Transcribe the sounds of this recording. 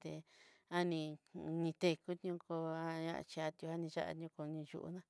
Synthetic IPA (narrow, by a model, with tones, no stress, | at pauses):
t̪e˧a˦nĩ˧nĩ˧t̪e˧ku˦t̪ɲũ˦ko˧a˧ã̰˧ʔt͡ʃi˧a˧t̪ju˧ha˦nĩ˧ʒa̰˦ʔa̰˧ɲũ˧ko˧nĩ˧ʒṵ˧ʔṵ˧˦nã˦˧